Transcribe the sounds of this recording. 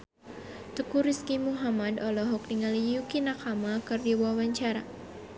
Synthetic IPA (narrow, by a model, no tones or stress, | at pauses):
t̪ukuɾiskimuɦamadɔlɔɦɔk̚niŋalijukinakamakɨrdiwawaɲt͡ʃaɾa̰